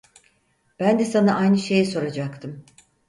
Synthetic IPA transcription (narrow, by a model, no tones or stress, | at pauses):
b̥ænd̪ɛsanaʔajnɯʃe̞jɛso̞ɾad͡ʒakt̪ʰɯm